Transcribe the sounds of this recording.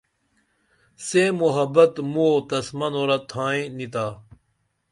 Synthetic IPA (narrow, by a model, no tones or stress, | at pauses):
semuɦɐbɐt̪mot̪ɐsmɐnoːɾɐt̪ʰaːĩnit̪aː